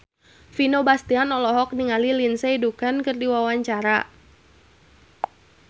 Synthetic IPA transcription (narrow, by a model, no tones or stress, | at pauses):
finobast̪ianɔlɔɦɔk̚niŋalilinsɛidukankɨrdiwawaɲt͡ʃaɾa